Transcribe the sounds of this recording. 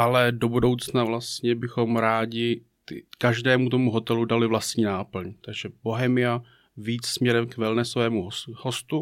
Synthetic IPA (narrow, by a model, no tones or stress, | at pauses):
ʔalɛdo̞budo̞wt͡snavlast̪ɲɛbɪxo̞mɾaːɟɪ | t̪ɪ̰kaʒdɛːmut̪o̞muɦo̞t̪ɛludalɪvlast̪ɲiːnaːpl̩ɲt̪aɡʒɛb̥o̞ɦɛmɪja | viːt͡ssmɲɛɾɛmkvɛlnɛsvɛːmuɦoho̞st̪u